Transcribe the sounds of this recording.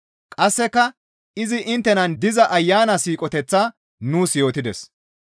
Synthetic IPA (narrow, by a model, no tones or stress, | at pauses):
kʼɐsːɛkːɐ | ɪzɪʔɪnt̪ːɛnɐnd̪ɪzɐʔɐjːaːnɐsiːkʼɔt̪ɛt͡sːaː | nuːsjo̞ːt̪ɪd̪ɛs